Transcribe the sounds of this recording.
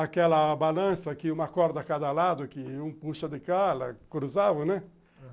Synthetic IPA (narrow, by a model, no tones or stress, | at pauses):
akɛlɐbalãsɐkɪũmɐakɔɾd̪ɐakad̪ɐlad̪ʊkɪũpuʃɐd̪ɪkalɐ̰kɾuzavɐnɛ